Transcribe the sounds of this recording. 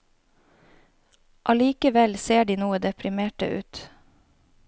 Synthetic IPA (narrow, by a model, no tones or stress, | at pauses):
ʔɑliːkəʋɛlseːɖiːnuːəd̪ɛpʰɾɪmeːʈə̰ʔʉ̰ːt̪